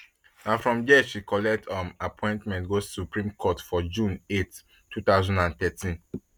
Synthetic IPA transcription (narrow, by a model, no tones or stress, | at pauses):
nafɹɔ̃md͡ʒɛʃʃikɔlɛk̚tʰãmapʰɔ̃ɪ̃ntmɛ̃ntɡosupɹĩmkʰɔtfɔd͡ʒũnet | tːut̪aʊzɔ̃ndãnt̪ɛtʰĩn